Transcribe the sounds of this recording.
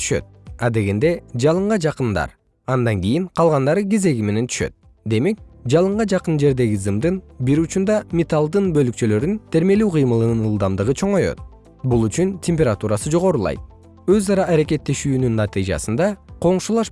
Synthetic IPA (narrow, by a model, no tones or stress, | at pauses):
y̥ʃø̞̰t̪̚ | ɑd̪e̞ɡe̞nd̪e̞d͡ʒɑlˠɯɴʁɑd͡ʒɑqɯnd̪ɑ̰ɾ | ɑnd̪ɑŋɡijiɴqʰɑlˠʁɑnd̪ɑɾɯɡeze̞ɡime̞ne̞nt̪ʰy̥ʃø̰t̪̚ | d̪e̞me̞k̚d͡ʒɑlˠɯɴʁɑd͡ʒɑqɯnd͡ʒe̞ɾd̪e̞ɡizɯmd̪ɯnbiɾut͡ʃund̪ɑmʲet̪alˠd̪ɯnbø̞lyk̚t͡ʃø̞lø̞ɾynt̪ʰe̞ɾme̞lyːqʰɯjmɯlˠɯnɯnɯlˠd̪ɑmd̪ɯʁɯt͡ʃʰo̞ɴo̞jo̰t̪̚ | bulˠyt͡ʃyntʲʰemʲpʲeɾat̪uɾɑsɯd͡ʒo̞ʁo̞ɾulˠɑ̰jt̪̚ | ø̞zɑɾɑʔːɾeke̞t̪ːe̞ʃyːnynːɑt̪ɨjd͡ʒɑ̰sɯnd̪ɑqʰo̞ɴʃulˠɑʃ